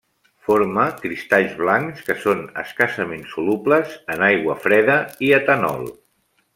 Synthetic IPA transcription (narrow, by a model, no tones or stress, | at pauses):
foɾməkɾist̪aʎzβlaŋkskəsonə̰skasəmensulupləzənajɣwəfɾɛðəiət̪ənɔ̰lˠ